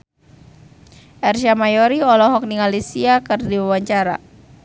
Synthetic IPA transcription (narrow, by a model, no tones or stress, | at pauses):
ʔɛrsamajɔɾiɔlɔɦɔk̚niŋalisiakɨrdiwawaɲt͡ʃaɾa̰